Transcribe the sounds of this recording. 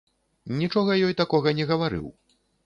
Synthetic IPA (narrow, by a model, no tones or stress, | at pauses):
nʲit͡ʂɔɣɐjɔjt̪akɔɣɐnʲɛɣɐvaɾɨ̰w